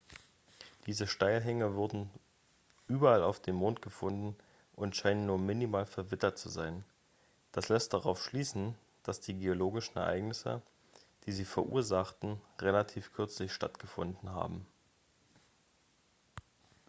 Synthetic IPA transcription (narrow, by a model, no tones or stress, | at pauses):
d̥iːzəʃtaɪlɦɛŋəvʊɐdn̩ | ʔyːbɐalaʊfd̥eːmːoːntɡ̥əfʊndn̩ | ʔʊntʃaɪnənːuːɐmɪnimaːlfɛɐvɪtɐtt͡suzaɪn | d̥aslɛst̚d̥aʁaʊfʃliːsn̩ | d̥asd̥iːɡeoloːɡɪʃn̩ɛ̰ɐʔaɪɡnɪsə̰ | d̥iːziːfɛɐʔṵːɐzaχtn̩ʁelatʰiːfkʰʏɐt͡slɪçʃta̰tɡ̥əfʊ̰ndn̩ɦa̰ːbm̩